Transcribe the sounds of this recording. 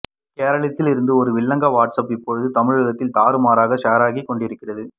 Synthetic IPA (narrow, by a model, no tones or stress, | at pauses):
keːɾɐɭɐt̪ːɪlɪɾɯnd̪ɯɔɾɯʋɪɭːɐŋɡɐʋaːʈsɐpɪpːɔɻðɯt̪ɐmɪɻɯɣɐt̪ːɪlt̪aːɾɯmaːɾaːɣɐʂaːɾaːɣikːɔɳɖɪɾɯkːɪrɐðɯ